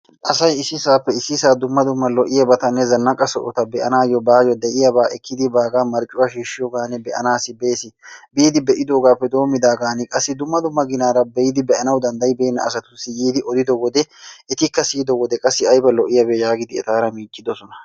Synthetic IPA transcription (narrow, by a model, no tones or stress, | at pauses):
ʔɐsɐjɪsːɪsaːpːɛɪsːɪsaːd̪ʊmːɐd̪ʊmːɐlɔʔɪjɐbɐt̪ɐnːɛzɐnːɐkʼɐsɔʔɔt̪ɐbɛʔɐnaːjɔbaːjɔd̪ɛʔɪjɐbaːʔɛkːɪd̪ɪbaːɡaːmɐɾt͡ʃʼːʊwaːʃiːʃːɪjɔɡaːnɛbɛʔɐ̰naːsɪbe̞ːsɪbiːd̪ɪbɛʔɪd̪o̞ːɡaːpːɛd̪o̞ːmːɪd̪aːɡaːnɪkʼɐsːɪd̪ʊmːɐd̪ʊmːɐɡɪnaːɾɐbɛjɪd̪ɪbɛʔɐnɐwd̪ɐnd̪ɐjbɛːnːɐ̰ɐs̬ɐt̪ʊsːɪjiːd̪ɪʔɔd̪ɪd̪ɔwɔd̪ɛɛt̪ɪkːɐsiːd̪ɔwɔd̪ɛkʼɐsːɪɐjbɐlɔʔɪjɐbejaːɡɪd̪ɪɛ̰t̪aːɾɐmiːt͡ʃʼːɪd̪ɔsɔnɐ̥